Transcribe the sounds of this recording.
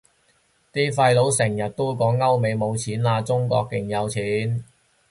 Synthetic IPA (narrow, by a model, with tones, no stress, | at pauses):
t̪iː˥fɐ˧jlo˨˥wsɪ˨˩ŋjɐ˨t̚t̪o˥wkɔː˨˥ŋːɐ˥wme˨˧jmo˨˧wt͡sʰiː˨˥nlaː˧t͡sʊ˥ŋkɔ̰ː˧k̚ːɪ˨˩ŋjɐ˨˧wt͡sʰiː˨˥n